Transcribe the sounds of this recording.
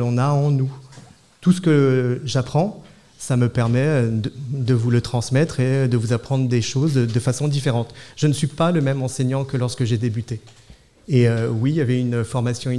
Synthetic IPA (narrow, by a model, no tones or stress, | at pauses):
lɔ̃naɑ̃nu | t̪usə̥kəʒapχɑ̃ | saməpɛʁmɛøəd̪əvulət̪χɑ̃smɛt̪χed̪əvuzapχɑ̃d̪ʁəd̪eʃozd̪əfasɔ̃d̪ifeʁɑ̃t̪ʒ̥ənəsɥipaləmɛmɑ̃seɲɑ̃kəlɔʁskəʒed̪ebyt̪e | eøwijavɛynfɔʁmasjɔ̃